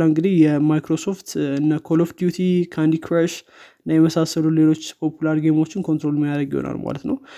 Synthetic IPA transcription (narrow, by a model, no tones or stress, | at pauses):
laŋɡɨd̪ihjɛmajkɾo̞so̞ft̪ɨnːəkʰolofd̪jut̪ʰikʰand̪ikʰɾaʃ | ɨnːajɛməsasəlule̞lo̞t͡ʃːpʰo̞pʰulaɾɡemo̞t͡ʃːɪnkʰo̞nt̪ɾo̞lmːijad̪ɾəɡjɪ̰ho̰na̰lma̰lət̪nə̰w